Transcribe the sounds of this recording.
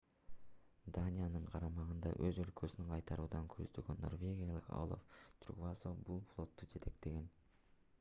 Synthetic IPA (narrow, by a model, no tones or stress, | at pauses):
d̪anʲijanɯɴqʰɑɾɑmɑʁɯnd̪ɑ̰ʔøzø̞lkʰøsynyɴqʰɑjt̪ʰɑɾuːd̪ɑŋkʰøzd̪ø̞ɡønːo̞̰rvʲe̞ɡʲijalˠɯkɑ̰wlˠo̰ft̪ʰrṵkvasobulˠflˠo̞t̪ːud͡ʒe̞t̪ʰe̞k̚t̪e̞ɡe̞n